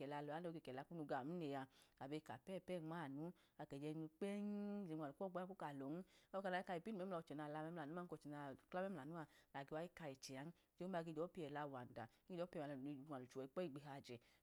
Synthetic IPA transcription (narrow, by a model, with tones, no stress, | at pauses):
ɛ˨la˧lɔ˨a˨˦o˧ɡe˧˨kɛ˨la˨˧˨ku˦nu˧ɡa˨mu˦ne˨ja˧a˨be˧ka˨pɛ˦˨pɛ˦˨ŋ͡mma˦˨nu˨˦ | a˨kɛ˨d͡ʒɛ˧nu˧k͡pɛ˦n˦˨d͡ʒe˧˨a˨u˨kɔ˦˨ɡ͡bko˦ka˨lɔ˨n˦ɔ˦ka˧˨a˨˦i˦ka˧i˨pi˦nu˨ɛ˦lɔ˧˨t͡ʃɛ˨na˧˨la˧mɛ˦m˧la˨nu˨˦a˦ɔ˧˨t͡ʃɛ˨na˧˨kla˦mɛ˦m˦la˨nu˦a˧˨na˨ɡe˧wa˧˦i˦ka˧ɛ˨t͡ʃɛ˨a˨˦n˦d͡ʒe˦a˧ɡe˧d͡ʒɔ˨˦pi˦ɛ˨la˧˨wa˨n˨da˨˦i˦d͡ʒɔ˨˦pi˦˧˨a˨˧˨a˨nu˨t͡ʃu˨ɛ˨i˨˧k͡pɔ˦i˦˨ɡ͡be˧ɦa˧˨d͡ʒɛ˨